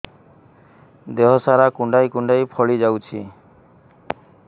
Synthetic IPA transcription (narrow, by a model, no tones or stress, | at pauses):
d̪eɦɔsaɾakuɳɖajkuɳɖajpʰɔɭid͡ʑawt͡ɕʰi